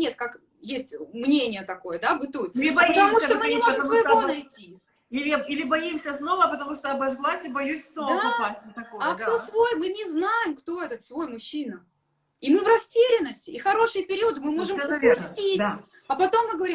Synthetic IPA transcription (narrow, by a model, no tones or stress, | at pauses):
nʲet̪kak | jesʲtʲmnʲenʲɪjət̪ɐko̞jəd̪abɨt̪utɪbɐpət̪ɐmuʂomɨnʲɪɪmo̞ʐɨmsvəjɪvo̞nɐjtʲːi | ilʲɪilʲɪbɐjimsʲəsno̞vəpət̪ɐmuʂt̪oɐbɐʐɡlˠasʲɪbɐjusʲsnod̪aɐpasʲnʲət̪ɐoakt̪o̞svo̞jmɨnʲɪznajɪmkt̪o̞ɛt̪ət̪svo̞jmʊɕːinə | imɨvrɐsʲtʲeɾʲɪnːəsʲtʲɪːxɐɾo̞ʂɨjəpʲɪɾʲivəd̪ɨmɨmo̞ʐɨmʊsʲtʲitd̪ | ɐpɐt̪o̞mːɨɡəvɐɾim